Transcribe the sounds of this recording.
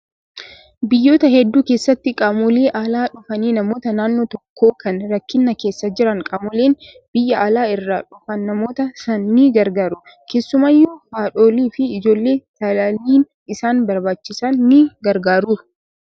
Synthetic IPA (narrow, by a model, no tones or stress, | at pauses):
bɪjːo̞ːt̪ɐhɛd̪ːuːkeːsːɐt̪ːɪkʼɐmʊleːʔaːlaːᶑʊfɐniːnɐmo̞ːt̪ɐnaːnːoːt̪ɔkʰːo̞ːkɐnɾɐkːɪnːɐke̞ːsːɐd͡ʒɪɾɐŋkʼɐmɔleːn | b̥ɪjːɐʔalaːɪrːaːᶑʊfɐnːɐmo̞ːt̪ɐsɐnːɪɡɐɾɡaːɾʊ | kʰe̞ːsːʊmajːufaːᶑo̞ːliːfɪɪd͡ʒo̞ːlːe̞ːt̪ɐlaliːn | ɪsaːnbɐɾbaːt͡ʃːɪsɐnːɪɡɐɾɡaːɾuː